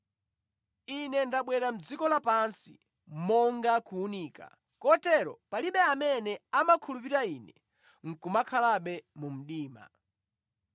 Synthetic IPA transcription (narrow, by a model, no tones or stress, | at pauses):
inɛndaɓwɛɾam̩d͡zikɔlapansḭ | mɔŋɡakʰuːniːka̰ | kɔtɛɾɔ̰paliɓɛamɛnɛamakʰulupiɾaiːnɛ | ŋ̩kumakʰalaɓɛmum̩ɗiːma̰